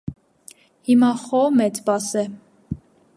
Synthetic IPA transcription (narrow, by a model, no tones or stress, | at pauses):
himɑχɔmɛt͡sbɑsɛ